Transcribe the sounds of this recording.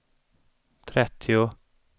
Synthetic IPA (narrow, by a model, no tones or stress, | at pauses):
t̪ʰɾɛt̪ʰːɪʊ